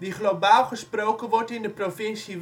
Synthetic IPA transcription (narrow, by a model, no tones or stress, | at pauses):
diχlobaːlˠχəsprowkənʋɔɹtɪndəprofɪnsi